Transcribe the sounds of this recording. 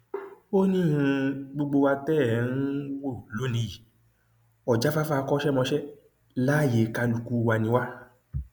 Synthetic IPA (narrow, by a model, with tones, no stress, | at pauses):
o˦nĩ˦˨hũ˧ɡ͡bo˧ɡ͡bo˧wa˧tɛ˦˨˦n̩˦wo˦˨lo˨˦nĩ˧ji˨ | ɔ˨d͡ʒa˨˦fa˦fa˦˧kɔ˦ʃɛ˦mɔ̃˧ʃɛ˦ | la˦˨je˨ka˧lu˨ku˧wa˧nĩ˧wa˦